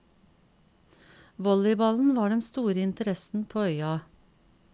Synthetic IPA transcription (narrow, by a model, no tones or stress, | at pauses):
ʋɔlɪbɑln̩ʋɑːɖɛnst̪uːɾəɪnt̪əɾɛsn̩pʰoːœʏɑ